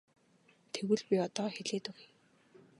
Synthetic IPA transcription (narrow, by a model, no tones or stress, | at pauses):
t̪ʰewɘ̆ɮpʲiɔt̪ɔːxeɮeːt̪ʊɣi